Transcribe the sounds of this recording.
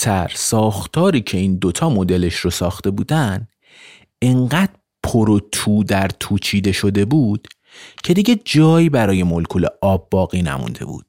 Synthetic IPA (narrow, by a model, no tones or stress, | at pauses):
t̪ʰæɾsɒːxt̪ʰɒːɾiːcʰe̞iːnd̪ot̪ʰɒːmo̞d̪e̞le̞ʃɾosɒːxt̪e̞buːd̪æn | e̞ŋɢæːd̪̥ | pʰoɾot̪ʰuːd̪æɾt̪ʰuːt͡ʃʰiːd̪e̞ʃo̞d̪e̞buːd̪̥ | cʰe̞d̪iɟe̞d͡ʒɒːjibæɾɒːje̞molkʰuːlḛʔɒːbːɒːɣiːnæ̰mṵnd̪e̞̰bṵːd̪̥